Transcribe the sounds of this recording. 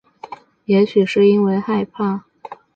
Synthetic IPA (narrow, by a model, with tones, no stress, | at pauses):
jɛ˧˥ɕy˨˩ʂɻ̩˥˩i˥nwe˧˥˧ɪxa˥˧ɪpʰa˥˩